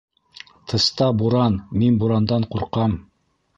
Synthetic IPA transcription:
t̪ʰɤ̆st̪ɑbuɾɑnminbuɾɑnd̪ɑɴquɾqɑm

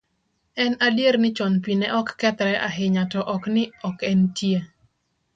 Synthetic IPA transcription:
ɛnadjeɾnɪt͡ʃɔnpinɛʔɔkːɛt̪ɾɛʔaɦɪɲatɔʔɔknɪɔkɛntje

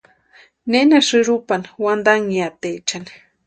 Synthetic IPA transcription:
nenaʂɨɾupanwand̪aŋiat̪et͡ʃan

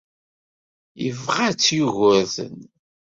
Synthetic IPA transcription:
jəvʁat͡sːjuʝʊɾθə̰n

